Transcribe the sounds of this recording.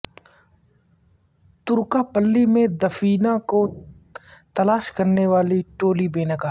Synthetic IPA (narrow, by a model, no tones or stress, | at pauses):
t̪ʊɾkapəlːimẽd̪ɐfiːnako | t̪ɐlaːʃkɐɾneʋaːliʈoːlibeːnɐkaː